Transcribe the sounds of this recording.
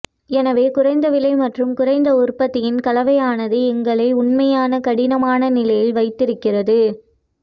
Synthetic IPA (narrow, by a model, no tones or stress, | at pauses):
ɛnɐʋeːkʊrɐɪnd̪ɐʋɪlɐɪmɐʈrɯmkʊrɐɪnd̪ɐʊrpːɐt̪ːɪjɪnkɐlɐʋɐjaːnɐðɯɛŋɡɐɭɐɪʊɳmɐjaːnɐkɐɽɪnɐmaːnɐnɪlɐjɪlʋɐɪt̪ːɪɾɯkːɪrɐðɯ